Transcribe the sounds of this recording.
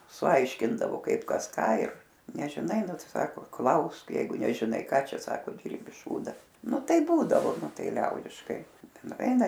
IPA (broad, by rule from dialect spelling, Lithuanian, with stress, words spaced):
sʊˈɐɪʃʲkʲɪndɐʋoː ˈkɐɪp ˈkɐs ˈkɑː ɪr nʲɛʒʲɪˈnɐɪ ˈnʊ ˈtɐɪ ˈsɑːkoː ˈklˠɐʊsk ˈjɛɪɡʊ nʲɛʒʲɪˈnɐɪ ˈkɑː ˈt͡ʃʲɛ ˈsɑːkoː ˈdʲɪrʲbʲɪ ˈʃuːdɐ ˈnʊ ˈtɐɪp ˈbuːdɐʋoː ˈnʊ ˈtɐɪ ˈlʲɛʊdʲɪʃkɐɪ nʊˈʋʲɛɪnɐ